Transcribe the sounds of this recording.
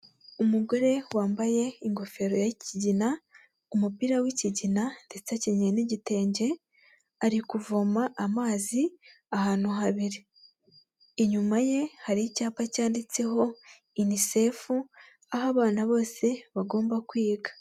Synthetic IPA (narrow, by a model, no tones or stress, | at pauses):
umuɡo̞ɾe̞waːmbaje̞iŋɡo̞fe̞ɾo̞jaiciɟina | umupiɾawiciɟinande̞t͡saciɲeniɟite̞ːɲɟe̞ | aɾikuvomaʔamaːzi | ahaːn̥uɦaβiɾi | ɲumaje̞haɾicaːpacaːndit͡se̞ɦo̞ | inise̞fu | aɦaβaːnaβo̞ːse̞βaɡo̞ːmbakwiːɡḁ